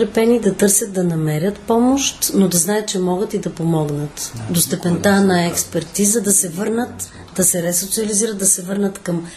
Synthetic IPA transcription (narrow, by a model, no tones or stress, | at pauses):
ɾɛpɛnid̪ɐt̪ɤɾsʲjət̪̚d̪ɐnɐmɛɾʲət̪pɔmoʃt̪nod̪ɐznajət̪̚t͡ʃɛmɔɡət̪id̪ɐpomɔɡnət̪d̪ost̪ɛpɛnt̪anɐɛkspɛɾt̪izəd̪ɐsɛvɤɾnət̪ | d̪ɐsɛɾɛsot̪siɐliziɾət̪̚d̪ɐsɛvɤɾnət̪kɐm